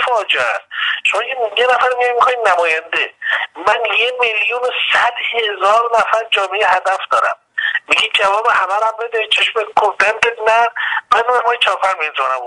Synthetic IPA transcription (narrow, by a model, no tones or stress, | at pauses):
fɒːd͡ʒeæsʃomɒːjʰejenæfæɾmiɡɒjmixɔjnæmɒːjænd̪emænjemeljunosæd̪hezɒːɾnæfæɾd͡ʒɒːmeehæd̪æfd̪ɒːɾæ̰mː | iɡʲiːd̪̚d͡ʒævɒːbehæbæɾæmbed̪et͡ʃʰeʃmekʰoɾd̪ænd̪ed̪næmæomemɒjt͡ʃʰɒːɾpʰæɾmenzɒnæ̰m